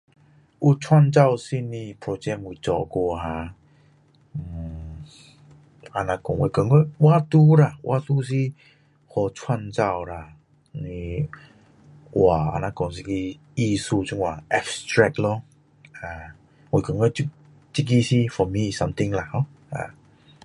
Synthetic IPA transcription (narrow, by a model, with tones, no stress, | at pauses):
ʔu˧t͡sʰwa˥˧˨nt͡sa˥˧˨wsi˧nĩ˧pʰɹɔ˧t͡ɕɛ˧ŋwu˨˧˩t͡sɔ˨˧˨kɔ˧ɦã˧ | m̩˨˩ | a˧nã˧kɔ˨ŋwḛ˧˩kə˨˦ŋɔ˧wa˦t̪u˦ɾa˧˨wʔa̰˧t̪u˦s̬i˦ | hɔ˨˧˩t͡sʰwa˥˧nt͡sa˥˧˨wla˨˩ | ni˧ | wa˨˩a̰˧nã˧kɔ˨˩ŋs̬i˧ki˧ | i˥˧su˥˧t͡ɕu˧ŋwa˨ʔɛ˧fstɹɛ˧k̚lɔ˦ | a˨˧˩ | we˧˩kə˨ŋɔ˧i˦ | t͡ɕi˦˧k̬i˦si˦fɔ˨˧˨mĩ˧˨sa˧mt̪i˧ŋla˨hɔ˦ | a̰˧˩